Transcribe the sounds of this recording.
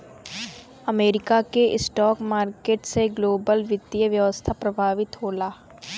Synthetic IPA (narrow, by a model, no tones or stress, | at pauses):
ɐmeːɾɪkakeʔɪsʈɔːkmaːɾkeːʈseɡloːbəlʋɪd̪ijəʋjɐʋəst̪ʰapɾɐbʱaːʋɪt̪ɦoːlaː